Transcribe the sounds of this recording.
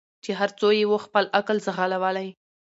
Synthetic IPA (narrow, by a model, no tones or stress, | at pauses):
t͡ʃeɦaɾt͡sojewoxpəlakəlzəɣalawəlaj